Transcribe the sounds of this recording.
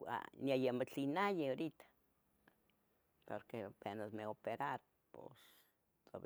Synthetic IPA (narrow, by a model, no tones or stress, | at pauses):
a̰niajemot͡ɬinajeoɾit̪ḁ | poɾkepenasmeopeɾaɾ | po̰s | t̪o̰β